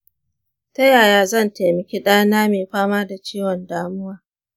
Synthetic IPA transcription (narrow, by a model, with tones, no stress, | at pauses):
tɐ˦jaː˨jaː˨zɐ˦˨nte˨mɐ˨kʲi˦ɗaː˦naː˦meː˨ɸaː˦maː˦da˨t͡ʃiː˦wɔ˨ndaː˦mʊ˦waː˦